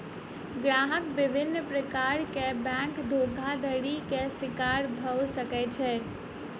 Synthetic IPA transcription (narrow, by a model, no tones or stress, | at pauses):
ɡɾaːɦəkbɪbʱɪnːəpɾəkaːɾkebɛ̃ːŋkd̪ʱoːɡʱad̪əɽikesɪkaːɾbʱəwsəkɛt͡ʃʰɛː